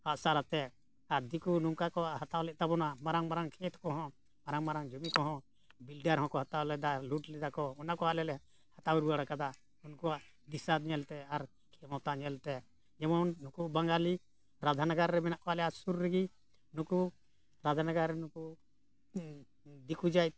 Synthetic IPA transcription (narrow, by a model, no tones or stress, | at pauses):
haʔsaɾat̪ɛ | aɾd̪ikuluŋkakɔaʔhat̪awlɛʔ̚t̪abɔnamaɾaŋmaɾaŋkʰɛt̪kɔɦɔ̃ | maɾaŋmaɾaŋd͡ʒumikɔɦɔ̃ | bilɖaɾhɔ̃kɔhat̪awlɛd̪aluʈlɛd͡ʒ̪akɔɔnakɔaʔlɛlɛ | hat̪awɾuaɽakad̪a | unkuwaʔ | d̪isad̪ɲɛlt̪ɛaɾ | kʰɛmɔt̪aʔɲɛlt̪ɛ | d͡ʒɛmɔnːukubaŋɡali | ɾad̪ʱanaɡaɾːɛmɛnaʔkɔalɛasuɾːɛɡi | nuku | ɾad̪ʱanaɡaɾːɛnuku | d̪ikud͡ʒaj̚